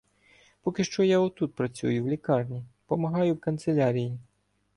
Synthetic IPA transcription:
pɔkɪʃt͡ʃɔjaɔt̪ut̪̚pɾɐt͡sʲṵjʊwlʲikɑrnʲipɔmɐɦɑjʊwkɐnt̪selʲaɾʲiji

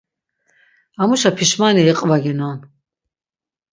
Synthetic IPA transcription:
amuʃapʰiʃmaniɛqʼvaɡɛnan

